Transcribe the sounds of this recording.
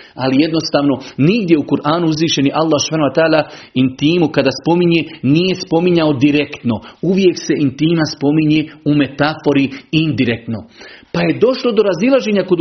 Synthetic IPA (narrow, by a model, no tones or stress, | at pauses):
a̰lije̞d̪no̞st̪aːʋno̞niɡd̪je̞ukuɾʔaːnuuzʋiːʃe̞niʔalːaːhsu̥baːnuat̪aːlaint̪iːmukad̪aːspo̞miɲenije̞spo̞miɲaod̪iɾekt̪no̞uʋje̞kse̞ʔint̪iːmaspo̞miɲe̞ːume̞t̪afo̞ɾiind̪iɾek̚t̪no̞paje̞d̪o̞ʃlo̞d̪o̞ɾazilˠaʒeːɲako̞d̪